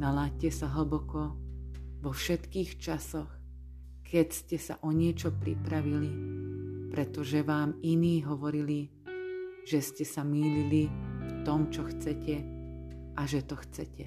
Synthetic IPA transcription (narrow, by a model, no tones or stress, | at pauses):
nalaːc̚cɛsaɦl̩bɔkɔ | ʋɔfʃɛt̪kiːxt͡ʃasɔx | kʰɛcscɛsa̰ʔɔɲɪɛt͡ʃɔpɾḭpɾaʋili | pɾɛt̪ɔʒɛʋaːminiːɦɔʋɔɾili | ʒ̥ɛscɛsamiːlilift̪ɔmt͡ʃɔxt͡sɛcɛ | ʔaʒɛt̪ɔxt͡sɛcɛ